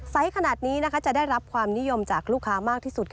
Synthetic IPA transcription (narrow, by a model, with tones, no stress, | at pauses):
sa˦˥jkʰa˧naː˨˩t̪̚niː˦˥na˦˥kʰa˦˥t͡ɕa˨˩da˥˩jɾa˦˥p̚kʰwaː˧mni˦˥jo˧mt͡ɕaː˨˩k̚luː˥˩kʰːaː˦˥maː˥˩k̚t̪ʰiː˥˩su˨˩t̪̚kʰ